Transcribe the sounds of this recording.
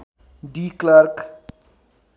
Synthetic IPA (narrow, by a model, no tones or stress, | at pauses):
ɖiklaɾk